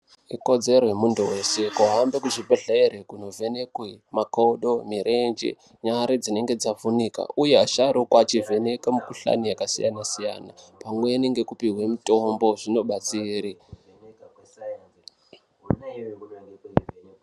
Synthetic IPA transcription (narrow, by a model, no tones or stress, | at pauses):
iko̞d͡ze̞ɾojemunduwe̞se̞kuɦambekuʐipeɮaeɾekunove̞ne̞kwemakoɗo̞miɾʔe̞nd͡ʒḛ | ɲaɾed͡zine̞ŋɡe̞d͡zafunika̰ujeaʃaɾokwat͡ʃive̞ne̞kamukuɬa̰nijakasija̰nasija̰na̰pamweːneŋɡe̞kupiɦwemito̞mbo̞ʐino̞ɓat͡siːɾi